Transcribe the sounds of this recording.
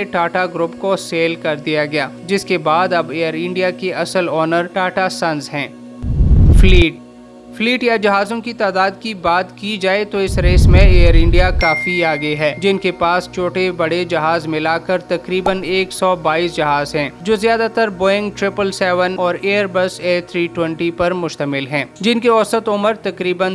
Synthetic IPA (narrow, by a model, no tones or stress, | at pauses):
eʈaːʈaɡɾʊpkoseːlkɐɾd̪ijaɡɐjaːd͡ʒɪskebaːd̪ɐbeːjəɾɪ̃ɳɖijakeɐsəlɔːnəɾʈaːʈasɐ̃nzɦɛ̃ː | fliːʈ | fliːʈjad͡ʒɐɦaːzõkit̪aːd̪aːd̪kibaːt̪kid͡ʒaːet̪oɪsɾeːsmẽeːəɾɪ̃ɳɖijakaːfiaːɡɐeɦɛːd͡ʒɪnkepaːst͡ʃʰoːʈebɐɽed͡ʒɐɦaːzmɪlaːkɐɾt̪ɐkɾiːbəneːksɔːbaːiːsd͡ʒɐɦaːzɦɛ̃ːd͡ʒoːzijaːd̪at̪əɾboːɪ̃ŋɡʈɾɪpəlsɛːʋənɔːɾeːəɾbɐseːt̪ʰɾiːʈwɛ̃ɳʈipɐɾmʊʃt̪əmɪlɦɛ̃ːd͡ʒɪnkeɔsət̪ʊməɾt̪ɐkɾiːbən